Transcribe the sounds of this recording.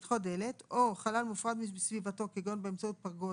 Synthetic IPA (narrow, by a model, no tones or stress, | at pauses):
tχodele̞t̪o̞χalalmufʁad̪misvivato̞keɡonbeemt͡saut̪̚paʁɡo